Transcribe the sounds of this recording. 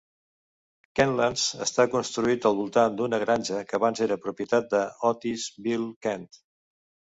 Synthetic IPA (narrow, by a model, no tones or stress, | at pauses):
kɛnlanzəst̪akunst̪ɾuit̪əlˠβulˠt̪and̪unəɣɾaɲʲʒəkəːβanzeɾəpɾupjət̪at̪̚d̪əɔt̪izbilˠkɛnt̪